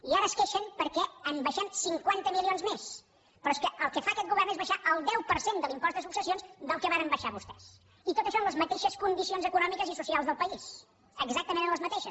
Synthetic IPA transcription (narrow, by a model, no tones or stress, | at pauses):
iaɾəːskeʃənpəɾkɛəmbəʃɛmsiŋkwant̪əmilionzmes | pɾɔskəʔəlˠkəfaːkɛt̪̚ɡuβɛrnezβəʃaʔəlˠd̪ɛwpəɾsend̪əlimpɔst̪ðəsuksəsionzd̪əlˠkəβaɾəmbəʃaβust̪ɛs | it̪ot̪əʃonləzmət̪eʃəskund̪isionzəkunɔmikəzisusialˠzðəlˠpəis | əɡzak̚t̪əmẽnənləzmət̪eʃəs